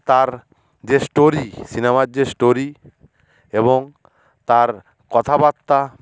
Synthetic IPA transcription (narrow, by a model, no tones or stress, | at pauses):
t̪aɾ | d͡ʑesʈoɾisinemaɾd͡ʑesʈoɾi | eboŋ | t̪aɾ | kɔt̪ʰabat̪ːa